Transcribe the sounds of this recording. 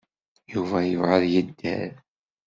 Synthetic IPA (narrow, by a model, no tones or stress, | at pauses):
juvæjəvʁəðjəd̪ːæ̰ɾ